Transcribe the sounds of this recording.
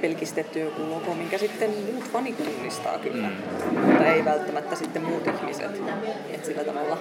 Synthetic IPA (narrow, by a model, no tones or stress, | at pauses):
pelkist̪et̪ːykulokomiŋkæsit̪ːemmuːt̪fɑnik̪t̪uːnːist̪ɑ̰ːky̰lːæ | mut̪ːɑeiʋælt̪ːæmæt̪ːæsit̪ːemmuːt̪ihmisḛt̪ | et̪silːæt̪ɑʋɑlːɑ